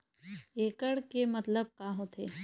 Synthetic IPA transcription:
eːkəɽkemɐt̪ləb̚kaːɦot̪ʰe

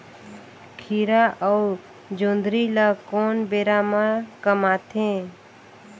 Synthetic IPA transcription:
kʰiːɾaʔəu | d͡ʒõːnd̪ɾilakoːnbeːɾamakəmaːt̪ʰẽː

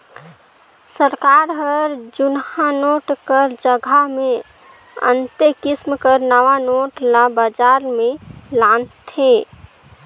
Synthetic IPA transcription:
səɾkaɾɦəɾd͡ʒunhanoʈkəɾd͡ʒəɡʱame | ə̰nt̪ekismkəɾnəʋanoʈlabəd͡ʒaɾmelant̪ʰe

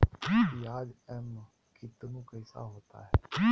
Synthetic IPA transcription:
iːbiaːd͡ʒɛːm | kʰɪt̪nũːkəɪsa̰ːɦoːt̪a̰ːɦɛː

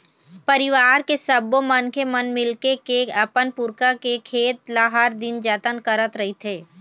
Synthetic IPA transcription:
pɐɾɪʋaːɾkesəbomənkemənmɪlkekeɐpənpʊɾkakekʰeːt̪laɦaɾd̪ɪnd͡ʒət̪ənkəɾət̪ɾɐɦit̪ʰeː

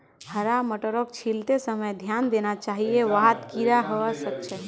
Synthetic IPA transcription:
həɾaməʈəɾokt͡ʃʰilt̪esəməjd̪ʱjand̪enat͡ʃaɦieʋaɦt̪kiɾaɦəəsək̚t͡ʃʰɛ

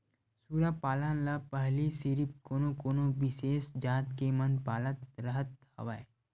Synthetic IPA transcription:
suːɾapaːlãnlapəɦlisiɾip̚koːnokoːnobɪʃeːsd͡ʒaːt̪kemənpaːlət̪ɾəɦət̪̚hɐ̰ʋae

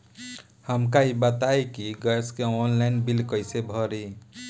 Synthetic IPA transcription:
həmkaibət̪aekiɡəskeɔnlaɪnbilkəjsebʱɔɾi

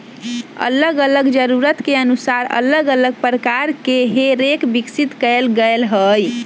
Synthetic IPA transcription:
ə̰ləɡələɡd͡ʒəɾuɾət̪keənusaɾə̰ləɡələɡ̚pɾəkaɾkeɦeɾekbiksit̪kəlɡəelɦəj

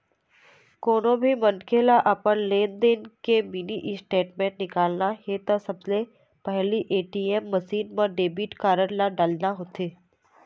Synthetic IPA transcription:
koːnõbʱimənkʰelaʔapənleːnd̪eːnkeminiʔɪsʈeːʈmẽːʈnɪkaːlnaɦet̪əsəbse | pəɦliʔeːʈiemːəsiːnmə̃ɖeːbiːʈkaːɾəɽlaɖaːlnaɦot̪eː

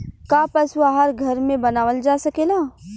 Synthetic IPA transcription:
kaːpɐsuaɦaɾɡʱɐɾmẽbɐnaːʋəld͡ʒaːsɐkeːlaː

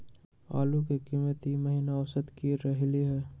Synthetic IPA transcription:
a̰ːlukekiːmət̪iməɦinaɔʋsəd̪kiɾəɦliɦɛː

